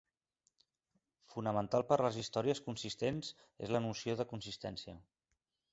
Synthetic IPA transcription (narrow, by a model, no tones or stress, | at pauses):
funəmənt̪alˠpəɾləzist̪ɔɾiəskunsist̪enz | ḛzlənusioðəkunsist̪ɛnsiə